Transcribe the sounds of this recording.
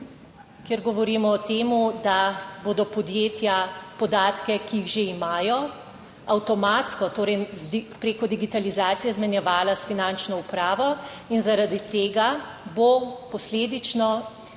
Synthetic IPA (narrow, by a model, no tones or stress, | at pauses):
kjɛɾɡɔʋɔɾiːmɔɔt̪eːmud̪aboːd̪ɔpɔd̪jeːt̪japɔd̪aːt̪kɛkiiɣʒeimaːjɔ | awt̪ɔmat̪skɔt̪oːɾɛjpɾeːkɔd̪iɡit̪alizaːt̪sijɛzmɛnjɛʋaːlasfinant͡ʃnɔupɾaːʋɔ | inzaɾad̪it̪eːɡa | bopɔsleːd̪it͡ʃnɔ